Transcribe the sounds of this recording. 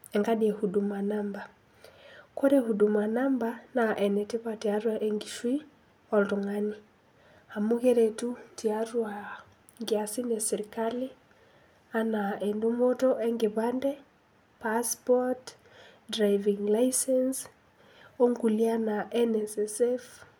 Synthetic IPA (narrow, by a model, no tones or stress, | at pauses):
ɛŋɡaɗiehudumanamba | koɾehudumanambanaʔɛnɛtepatiaɾwaʔeŋɡiʃwi | ɔltuŋani | amuɣeɾetutiaɾwa | ŋɡɪasinesiɾikali | anaendumotoʔɛŋɡeβandɛ | paspɔt | dɾajviŋlaisɛns | oŋɡulianaʔɛnɛsɛsɛf